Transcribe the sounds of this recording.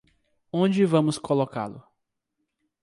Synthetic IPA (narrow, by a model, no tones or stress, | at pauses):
õd͡ʒɪvɐ̃mʊskoloka̰lʊ̰